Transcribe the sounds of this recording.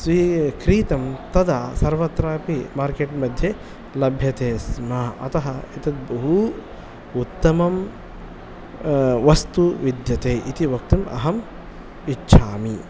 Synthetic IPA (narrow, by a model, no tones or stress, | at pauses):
sʋikɾiːt̪ɐmt̪ɐd̪aːsɐɾʋɐt̪ːɾaːpimaːɾkeʈmɐd̪ʱje | lɐbʱjɐt̪eːsmɐɐ̰t̪ɐɦɐit̪ɐt̪̚bɐɦu | ut̪ːɐmɐm | ʋɐst̪uʋid̪jɐt̪eːʔit̪iʋɐkt̪umɐ̰ɦɐm | itːʃʰaːmi